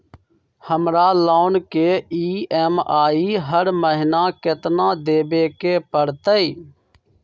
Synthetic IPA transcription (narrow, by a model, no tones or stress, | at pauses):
həmɾaːloːnkeːiːɛːmaːiːɦəɾməɦɪnaːkɪt̪nãːd̪eːbeːkeːpəɽt̪əiː